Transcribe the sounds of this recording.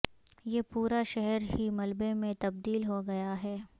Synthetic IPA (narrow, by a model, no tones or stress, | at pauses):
jeːpuːɾaʃɛɦɛɾɦimɐlbemẽt̪ɐb̚d̪iːlɦoɡɐjaɦɛː